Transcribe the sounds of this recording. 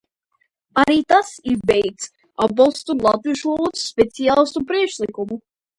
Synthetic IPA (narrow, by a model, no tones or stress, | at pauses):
aɾiːt̪asiɾbɛjt̪s | abɔlˠst̪ulˠat̪viʃuɔlut̪ssːpʲet̪sijalˠst̪upɾiɛkʃlikumu